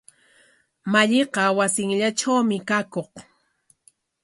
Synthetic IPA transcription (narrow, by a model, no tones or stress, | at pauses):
maʎɪqɑwasɪŋʎaʈ͡ʂawmɪkakoχ